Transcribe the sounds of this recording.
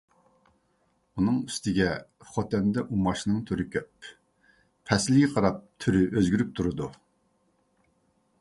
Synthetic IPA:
unɨŋyst̪ɪɡʲɛχɔt̪ɛnd̪ɛʔumɑʃnɨŋt̪ʰyɾɪkʲʰøpʰ | ɛslɪɡʲɛqʰɑɾɑp̚t̪ʰyɾyʔøzɡʲyɾyp̚t̪ʰuɾɨd̪u

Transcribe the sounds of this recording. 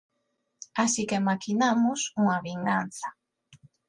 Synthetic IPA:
asikemakinamʊsuŋaβiŋɡan̟θa

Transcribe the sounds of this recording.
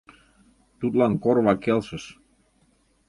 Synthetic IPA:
t̪utlankɔɾʋakɛlˠsəs

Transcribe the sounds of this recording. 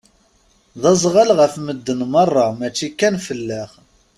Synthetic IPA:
ðɑzˤʁəlʁəfməd̪ːənmərˤːɑmæt͡ʃːikːænfəlːæχ

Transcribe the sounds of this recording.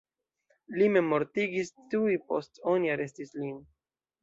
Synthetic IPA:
lime̞mo̞ɾtiɡistujpo̞̰stoniaɾe̞stislin

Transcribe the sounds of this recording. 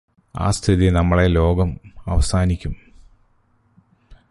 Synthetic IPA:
a̰ːst̪ʰiðinɐmːɐɭe̞lo̞ːɡɐmɐ̰ʋɐsaːnikʲːum

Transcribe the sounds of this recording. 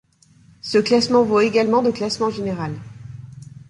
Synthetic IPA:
səklasmɑ̃voeɡalmɑ̃d̪əklasmɑ̃ʒeneʁal

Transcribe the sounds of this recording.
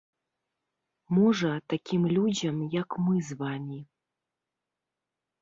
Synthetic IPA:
muʐɐt̪akʲimlʲud͡ʑʲɐmjakmɨzvamʲi

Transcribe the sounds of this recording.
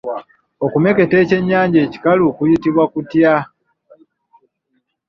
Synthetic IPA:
okume̞ke̞te̞ːce̞ɲːaːɲɟe̞ːci̥kalukujitiβwakutja

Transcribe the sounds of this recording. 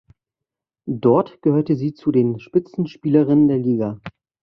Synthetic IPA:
dɔɐtɡ̥əhøːɐtəziːt͡sudeːnʃpɪt͡sn̩ʃpiːləʁɪnəndeːɐliːɡa

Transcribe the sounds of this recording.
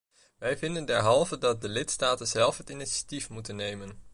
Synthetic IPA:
ʋɛjvɪndəndɛɹɦɑlˠvədɑt̚dəlɪtstaːtənz̥ɛlˠfɦətɪniʃḁtifmutənːejmən

